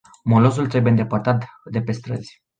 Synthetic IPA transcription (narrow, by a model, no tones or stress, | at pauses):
molo̞s̬ult̪ɾebujend̪e̞part̪at̪d̪e̞pe̞st̪ɾəz̥ʲ